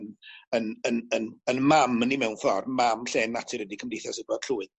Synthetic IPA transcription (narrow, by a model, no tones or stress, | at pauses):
nənənənənmamənimɛwnfɔrmamɬɛːnːatʰɨɾədikʰəmdejθjɔsiɡbɔd̥ɬʰuːɨð